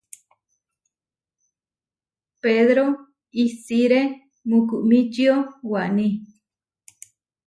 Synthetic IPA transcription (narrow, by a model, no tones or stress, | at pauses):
peðɾo | isiɾe | mukuʔmĩt͡ʃiowaʔnĩ